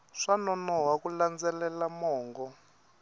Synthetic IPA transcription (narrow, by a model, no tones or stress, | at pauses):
ʂanɔnɔɦakuland͡zɛlɛlamɔːŋɡɔ